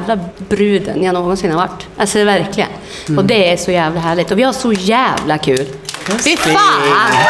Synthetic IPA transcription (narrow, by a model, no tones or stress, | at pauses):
vlabɾʉːd̪ə̰njanoːɡɔnsɪnːəhɑɾʋa̰ʈːʔalsɔvæɾklɪɡə̰n | ɔd̪ɛæʂɔjæːvlaɦæːɭɪt̪ɔʋɪhɑʂɔjæːvlakʰʉːlfɪɑːn